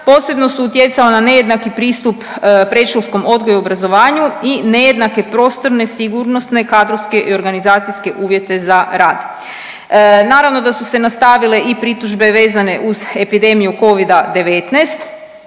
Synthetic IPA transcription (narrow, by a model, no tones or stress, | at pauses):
po̞ːse̞bno̞suut̪je̞t̪salenane̞je̞d̪nakipɾiːst̪uppɾeʃolsko̞mo̞d̪ɡojuobɾazo̞ʋaːɲuine̞je̞d̪nake̞pɾo̞ːst̪o̞ɾne̞siɡuːɾno̞sne̞kaːd̪ɾoʋske̞ʔio̞ɾɡanizaːt̪sijske̞ʔuːʋje̞t̪e̞zaɾaːd̪ | naːɾaʋno̞d̪asuse̞nast̪aʋile̞ʔipɾit̪uʒbe̞ʋe̞ːzane̞ʔuze̞pid̪e̞mijuko̞ʋid̪ad̪e̞ʋet̪nast̪